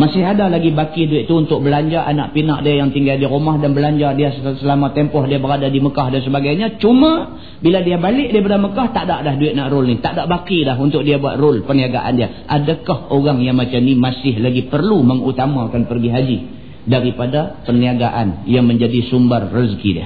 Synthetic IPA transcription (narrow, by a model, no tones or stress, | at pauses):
masɪɦadalaɡibakiduɪt̪̚t̪uːnt̪ʊk̚bəlaɲd͡ʒaʔana̰ʔpina̰ʔdiajaŋt̪iŋɡaldiɾumahdanbəlaɲd͡ʒadiassəlamat̪ɛmpɔhdiabəɾadadiməkahdans̬əbaɡajɲat͡ʃuma | biladiabalɪʔ̚dibadaməkaht̪aʔdaʔlahduɪt̪̚naʔɾʊlnit̪aʔdaʔbakidaɦunt̪ʊk̚diabua̰t̪̚rʊlpərniaɡa̰ʔa̰ndia | ʔadakahoɣaŋjaŋmat͡ʃamnimasɪɦlaɡipərluməŋut̪amakanpərɡiɦad͡ʒi | daɾipadapəniaɡaʔanjaŋməɲd͡ʒadisumbərːiskḭdḭa̰